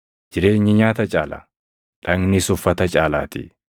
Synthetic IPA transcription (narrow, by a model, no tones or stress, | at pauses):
d͡ʒɪɾe̞ːɲːɪɲaːt̪ɐt͡ʃʼaːla̰ | ᶑɐŋnɪsʊfːɐt̪ɐt͡ʃʼaːlaːt̪ɪ̰